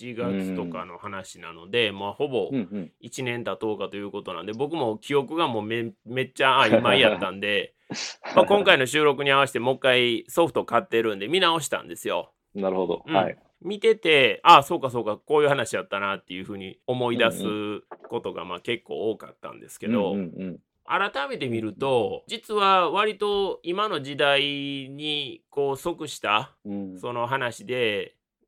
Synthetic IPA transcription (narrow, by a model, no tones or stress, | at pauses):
t͡ɕiɡat͡sɨ̥t̪o̞ka̰no̞hanaɕinano̞d̪e̞moho̞bo̞it͡ɕinẽ̞nt̪at̪o̞ːkat̪o̞jɯ̟ːko̞t̪onã̰nd̪e̞bo̞kɯ̟mo̞kʲio̞kɯ̟ɡamo̞ːmeme̞t͡ɕːaaimaijat̪ːãnd̪e̞ | makõŋkaino̞ɕɨːɾo̞kɯ̟ɲ̟iaβ̞aɕi̥t̪emo̞kːaiso̞ɸɯ̟̥t̪o̞kat̪ːe̞ɾɯ̟̃nd̪e̞mʲinao̞ɕi̥t̪ã̰nd̪e̞sɨjo̞ | naɾɯhod̪o̰ɯ̟i | mʲit̪e̞t̪e̞aso̞ːkaso̞ːkako̞ːjɯ̟hanaɕij̪at̪ːanat̪ːe̞jɯ̟ɸɯ̟ːɲ̟io̞mo̞id̪asɨko̞t̪o̞ɡa̰maːke̞kːo̞̰ːoːka̰t̪ːã̰nd̪e̞sɨ̥ke̞d̪o̞̰ | a̰ɾat̪ame̞t̪e̞mʲiɾɯ̟t̪o̞d͡ʑit͡sɨβaβaɾʲit̪o̞imano̞ʑid̪aiɲ̟iko̞ːso̞kɯ̟ɕi̥t̪aso̞no̞ɦanaɕid̪e̞